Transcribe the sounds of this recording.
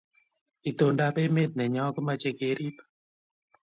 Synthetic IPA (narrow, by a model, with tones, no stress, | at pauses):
i˨t̪o˨nda˦pe˦me˦t̪̚nɛ˨ɲɔ˦kʊ˦ma˨t͡ʃe˦ke˨ɾi˦pḁ